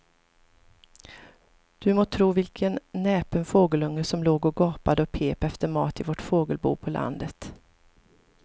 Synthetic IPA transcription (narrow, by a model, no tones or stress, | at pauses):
d̪̥ɵmoːt̪ʰɾuːvɪlkʰənːɛːpənfoːɡəlɵŋːəsɔmloːɡɔɡɑːpad̪əɔpʰeːpɛft̪əɾmɑːt̪ɪvɔʈfoːɡəlbṵːpʰɔlʔa̰nd̪ət̪